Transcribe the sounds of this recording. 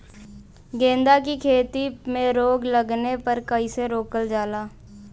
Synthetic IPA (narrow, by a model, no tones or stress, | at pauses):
ɡẽːnd̪akikʰeːt̪imẽɾoːɡləɡnepəɾkəiseɾoːkəld͡ʒaːlaː